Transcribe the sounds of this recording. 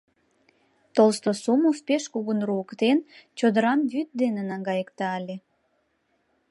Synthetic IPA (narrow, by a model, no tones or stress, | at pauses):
t̪olst̪osumuspeʃkuɣunruəkt̪ent͡ɕod̪əɾɑmβyt̪̚d̪enenɑŋɡɑjəkt̪ɑːlʲe